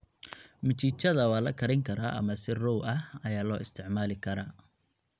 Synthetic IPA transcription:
mɐt͡ʃʰit͡ʃɐðɐwɑːlɐkʰɐɾɪŋkʰɐɾaːʔɐ̰mɐsɪrɔwɐhɐjaːlɔːɪst̪ʰɪʕmaːlɪkʰɐɾaː

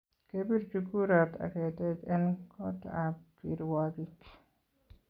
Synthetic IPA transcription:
kebiɾd͡ʒukuɾat̪ʰa̰kɛtɛtɛnkʰɔt̪apiɾwaɡik

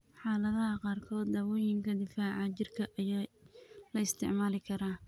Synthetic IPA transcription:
ħɑːlɐðɐɦɐqɑːrkʰɔːd̪d̪aːwɔːjɪŋkʰɐd̪ɪfaːʕɑt͡ʃɪrkʰɐʔɐjaːlɐɪst̪ʰɪ̰ʕmaːlɪkʰɐɾaː

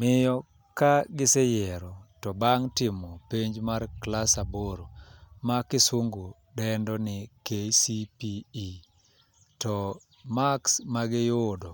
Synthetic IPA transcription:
mɪjɔ | kaɡɪsɛjɛɾɔtɔbaŋtɪmɔpeɲd͡ʒmarklasaboɾomakɪswoŋɡo | dɛndɔnɪkesipii | tɔ | maksmaɡɪjodo

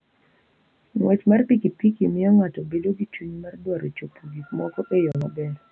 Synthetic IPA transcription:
ŋwʔɛt͡ʃmarpikipikimɪɔŋatɔbedoɡit͡ʃuɲmardwaɾot͡ʃopʰuɡikmɔkɔʔejɔmabɛɾ

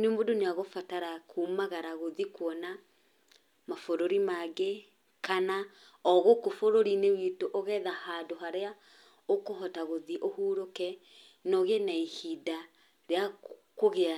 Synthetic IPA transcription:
nemodoneaɣofataɾakʰumaɣaɾaɣoðikwɔna | mafoɾoɾimaɡe | kana | ɔɣokofoɾoɾinewitoʔɔɣɛðahaːdoɦaɾea | okoɦɔtaɣoðiʔohuːɾokɛ | nɔɣenaihida | ɾea | koɣea

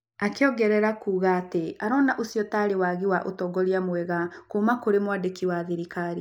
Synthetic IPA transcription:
akeɔɡɛɾɛɾakuːɣaːteaɾɔnaʔosijɔtaɾewaɣiwaʔotɔɡɔɾiamwɛɣakomakoɾemwadekiwaðeɾikaɾi

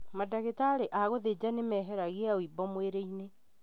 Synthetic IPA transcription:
madaɣetaɾeʔaɣoðed͡ʑanemɛːɦɛɾaɣeaoibɔmweɾeine

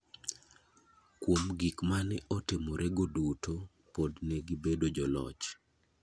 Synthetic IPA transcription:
kwomɡikmanɛʔɔtɪmoɾʔɛɡoduto | podnɛɡibedod͡ʒɔlɔ̰t͡ʃ

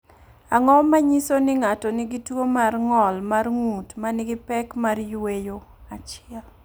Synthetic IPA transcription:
aŋɔmaɲisonɪŋatɔnɪɡitwomarŋɔlmarŋutmanɪɡɪpɛkmarjwejoat͡ʃɪɛl

